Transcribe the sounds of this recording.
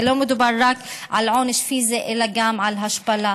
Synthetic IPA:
lomɪd̪barˤːakʕa̰lʕonɪʃfiːzeʔelaɡamʕalɦaʃpala

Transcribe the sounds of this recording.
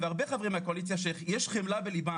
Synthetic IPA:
veaʁbeχavʁimakoalit͡sjaʃeχjeʃχemlabeliba

